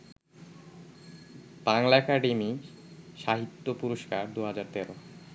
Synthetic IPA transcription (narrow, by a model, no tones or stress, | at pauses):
b̥aŋlaɛkaɖemi | ʃaɦit̪ːopuɾoʃkaɾd̪uɦad͡ʑaɾt̪ɛɾo